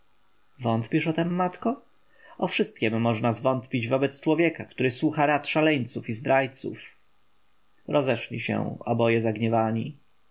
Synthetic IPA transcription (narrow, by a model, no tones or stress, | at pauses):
vɔnt̪pʲiʂɔt̪ɛmːat̪kɔ | ɔfʂɘst̪̚kʲɛmːɔʐnazvɔnt̪pʲid͡ʑvɔbɛt̪st͡ʂwɔvʲjɛkakt̪uɾɘswuxaɾat̪ʂalɛɲt̪sufizd̪ɾajt̪sṵf | ɾʔɔzɛʂlʲḭɕɛ̰wɔ̰bɔjɛzaɡɲɛvaɲi